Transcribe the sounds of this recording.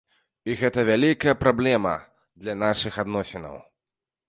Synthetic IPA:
iɣɛt̪ɐvʲalʲikɐjɐpɾablʲɛmɐ̰ | d̪lʲɐnaʂɨxad̪nɔsʲɛnɐ̰w

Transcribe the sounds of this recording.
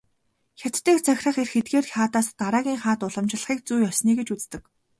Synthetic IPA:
xʲat̪ːeːkt͡sʰæxʲrə̆χerxet̪̚ɡeːraːt̪aːst̪aɾaːɣʲiːŋχaːt̪ʊɮə̆mt͡ɕɪ̆ɮə̆χiːk̚t͡sujɔsniːɡet͡ɕut͡st̪ɘ̆k

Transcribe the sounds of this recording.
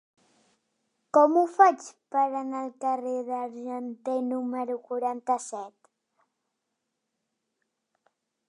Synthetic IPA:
kɔmufat͡ʃpəɾanalkareðaɾʒant̪enuməɾukuɾant̪asɛt̪

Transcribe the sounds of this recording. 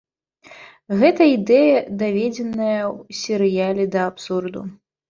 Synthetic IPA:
ɣɛt̪ɐid̪ɛjɐd̪avʲed͡zʲɛnɐjɐwsʲɛɾɨjalʲɛd̪ɐːpsurd̪ṵ

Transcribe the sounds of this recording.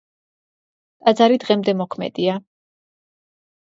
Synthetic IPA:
t̪ʼad̪zaɾid̪ʁɛmd̪ɛmɔkʰmɛ̰d̪̥ia

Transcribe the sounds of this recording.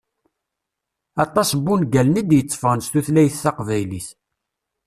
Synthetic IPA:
ɑt̪ˤːɑsbːunɡælnid̪jət͡sˤːfənst̪uθlæjθːɑqvæjliθ

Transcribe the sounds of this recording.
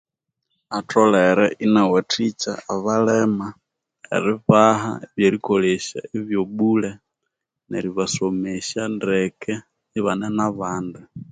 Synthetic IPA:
atɔlɛɾɛʔinawatʰit͡ʃa̰ːβalɛma | ḛɾɪβaɦa̰eβjeɾikoleʃa̰eβjoɓulɛ | neɾiβasomeʃandɛkʰɛ | iβanɛnaβaːndu

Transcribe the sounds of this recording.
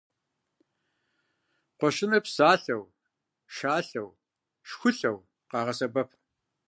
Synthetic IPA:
qʷɔʃɪnɐpsaːɬɐw | ʃaːɬɐw | ʃxʷʊɬɐw | qɑːʁɐsɐbɐpʰ

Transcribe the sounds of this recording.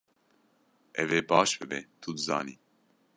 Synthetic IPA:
ʔɛveːbɑːʃbɨbɛ̰t̪ʰud̪ɨzɑ̰ːniː

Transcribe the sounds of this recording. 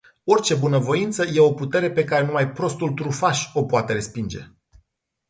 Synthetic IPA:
o̞rt͡ʃe̞bunəvo̞int̪səje̞o̞put̪e̞ɾe̞pe̞kaɾe̞numajpɾo̞st̪ult̪ɾufaʃʲo̞poat̪e̞ɾe̞spind͡ʒe̞̰

